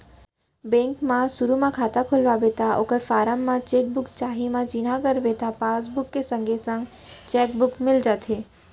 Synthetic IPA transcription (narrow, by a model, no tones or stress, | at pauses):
bɛ̃ːŋkmãsʊɾumãkʰaːt̪akʰʊlʋabeːt̪aʔo̰ːkəɾfaːɾəmːãt͡ʃeːk̚bʊkt͡ʃaːɦimãt͡ʃinakəɾʋet̪apaːs̬bʊkːesə̃ŋɡʱesə̃ŋɡ | t͡ʃɛːk̚bʊkmɪld͡ʒaːt̪ʰeː